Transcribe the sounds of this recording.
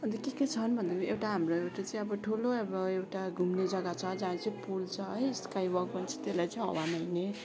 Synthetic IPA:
ʌnt̪ʌkeket͡sʰʌnbʱʌnd̪ekʔewʈaɦamroewʈat͡sʌĩʌbʌʈʰuloebʌewʈaɡʱumned͡zʌɡat͡sʰʌd͡zanet͡sʌpult͡sʰʌɦʌjskajbʌɡ̚bʌnt͡sʰʌ̥t̪elajt͡sʌĩɦʌ̰wanʌjne

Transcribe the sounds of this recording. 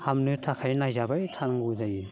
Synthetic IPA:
hamnɯtʰakʰajnajzabajtʰanŋɡudajɯ

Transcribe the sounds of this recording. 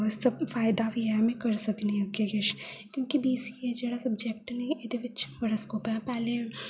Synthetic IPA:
sɐbfaːɪd̪abʱiɛmẽkɐɾsɐkniɦɛkeɡeʃkjõːkibiːsked͡ʒeːɽasɐbd͡ʒek̚ʈnɐiʔɪd̪eʋɪt͡ʃbɐɽaskoːpɛpɛːle

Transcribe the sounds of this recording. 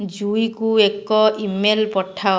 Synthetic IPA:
d͡ʒujkuekɔʔimelpɔʈʰa

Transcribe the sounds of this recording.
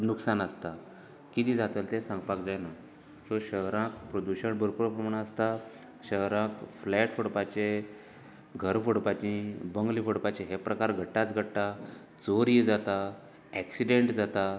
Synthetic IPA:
nuksanəst̪a | kit̪iːd͡zat̪əlt̪esãŋɡpakd͡zajna | soɕəɦɾãkpɾod̪uɕəɳbʱəɾpuɾpɾəmaɳaəst̪a | ɕəɦɾãkflɛʈfʰoɽpat͡ɕe | ɡʱəɾfoɽpat͡ɕĩbəŋɡlifoɽpat͡ɕeɦepɾəkaɾɡʱəʈːat͡sɡʱəɽːa | t͡soɾid͡zat̪a | ɛksiɖeɳʈd͡zat̪a

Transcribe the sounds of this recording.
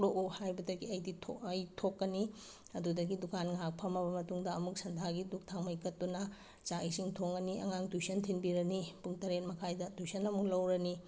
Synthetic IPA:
ɾoʔuhajbɐdɐɡiɐjditʰoɐjtʰokːɐni | ɐdudɐɡidukanŋak̚pʰɐmɐbɐmɐtuŋdɐɐmuk̚sɐndʱaɡiduk̚tʰaŋmɐjkɐt̚dunɐ | t͡ʃaisiŋtʰoŋɡɐniʔɐ̰ŋaŋtujsɐntʰinbiɾɐnipuŋtɐɾet̚mɐkʰajdɐtujsɐnɐmuklɐwɾɐni

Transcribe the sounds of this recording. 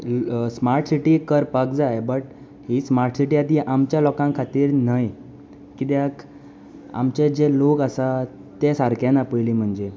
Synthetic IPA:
smaɾʈsiʈiːkəɾpakd͡zajbəʈ | ɦhiːsmaɾʈsiʈiːad̪ʱiʔamt͡ɕjalɔkãŋkʰat̪iːɾnaj | kit̪jak | a̰mt͡ɕed͡ʑelokasa | t̪esaɾkʰjanapəjliːm̤əɳd͡ze

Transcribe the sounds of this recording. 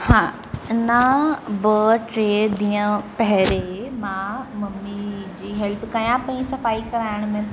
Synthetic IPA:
hãː | nabəʈɾeːd̪iːə̃pɐɦɪɾemãːmɐmːid͡ʑiːɦɛlpkɐjãpɐ̃ĩsɐfaːikɐɾaːɪɽ̃mẽ

